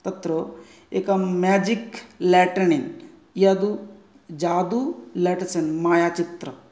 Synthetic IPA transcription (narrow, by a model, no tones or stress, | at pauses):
t̪ɐt̪ɾo | eːkɐmaːd͡ʒiklɛːʈɐɳin | iad̪u | d͡ʒaːd̪ulɛːʈɐsɐnmaːjaːt͡ʃit̪ɾɐ